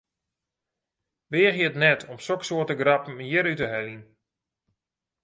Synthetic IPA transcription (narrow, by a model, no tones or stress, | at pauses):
ʋɪːɣjətnɛtʰɔmsoksoətəɡrɑpm̩jɪɾytəɦɛlin